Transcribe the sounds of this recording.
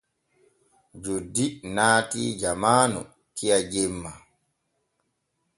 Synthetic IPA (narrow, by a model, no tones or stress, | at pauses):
d͡ʒodːinaːtḭd͡ʒamaːnɔ̰ | kijad͡ʒemːa